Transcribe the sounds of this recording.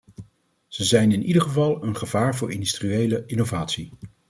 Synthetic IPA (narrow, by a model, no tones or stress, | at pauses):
z̥əzɛjnɪnʔidəɹχəvɑlˠənχəvaːɹvʊːɹɪndystriejləʔɪnovaːtsi